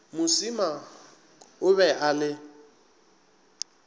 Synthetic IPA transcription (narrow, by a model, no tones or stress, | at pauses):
mʊsima | ʊβɛʔalɪ